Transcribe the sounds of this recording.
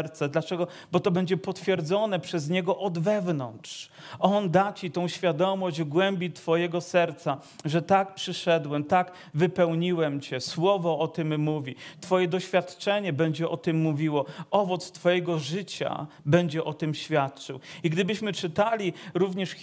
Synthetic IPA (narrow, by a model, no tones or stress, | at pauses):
ɾt̪sɛd̪lat͡ʂɛɡɔ | bɔt̪ɔbɛɲd͡ʑɛpɔt̪fʲjɛɾd̪zɔnɛpʂɛzɲɛɡɔʔɔd̪vɛvnɔntʂ | ʔɔnd̪at͡ɕit̪ɔ̃w̃ɕfʲjad̪ɔmɔʑd͡ʑvɡwɛmbʲit̪fɔjɛɡɔsɛɾt̪sa | ʐɛt̪ak̚pʂɘʂɛd̪wɛmt̪aɡ | vɘpɛwɲiwɛmt͡ɕɛswɔvɔɔt̪ɘmːuvʲit̪fɔjɛd̪ɔɕfʲjat̪t͡ʂɛɲɛbɛɲd͡ʑɛʔɔt̪ɘmːuvʲiwɔɔvɔt̪st̪fɔjɛɡɔʐɘt͡ɕa̰bɛɲd͡ʑɛʔɔt̪ɨmɕfʲjat̪̚t͡ʂɘwiɡd̪ɘbɘɕmɘt͡ʂɘt̪alʲiɾuvɲɛʂ